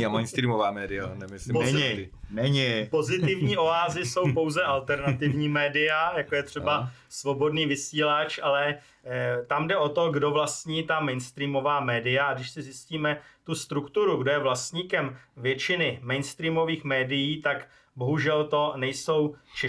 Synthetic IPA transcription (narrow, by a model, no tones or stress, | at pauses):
amɛjnst̪ɾiːmovaːmɛːdɪanɛmɪsɪn | nɛɲɪpo̞zɪt̪ɪvɲiːʔo̞aːzɪso̞wpo̞wzɛʔalt̪ɛɾnat̪ɪvɲiːmɛːdɪjajakojɛt̪r̝̥ɛbasvo̞bo̞dniːvɪsiːlat͡ʃʔalɛ | t̪amdɛʔo̞t̪o̞ɡdo̞vlast̪ɲiːt̪amɛjnst̪ɾiːmo̞vaːmɛːdɪjaɡdɪʃsɪzjɪsciːmɛt̪ust̪ɾukt̪uɾuɡdojɛvlast̪ɲiːkɛmvjɛt͡ʃɪnɪmɛjnst̪ɾiːmo̞viːxmɛːdɪjiːt̪ak | bo̞ɦuʒɛlt̪o̞nɛjso̞wt͡ʃɛ